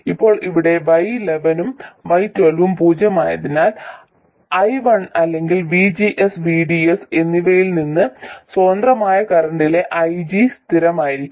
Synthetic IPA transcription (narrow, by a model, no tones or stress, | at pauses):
ipːo̞ːɭiʋiɽe̞ʋɐjleʋɐnumʋɐjtwelʋumpuːd͡ʑɐma̰ːjɐðinaːl | ɐjʋɐɳɐlːe̞ŋɡilʋid͡ʑiʔesʋiɖiese̞nːiʋɐjilninːɨso̞ːnd̪rɐmaːjɐkɐrɐɳɖile̞ʔɐjd͡ʑist̪iɾɐmaːjiɾikʲː